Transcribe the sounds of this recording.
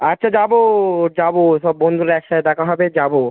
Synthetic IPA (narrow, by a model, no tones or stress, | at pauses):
atːɕʰad͡ʑabod͡ʑaboʃɔbːond̪ʱuɾeɛkʃaed̪ɛkʰaɦɔbed͡ʑabo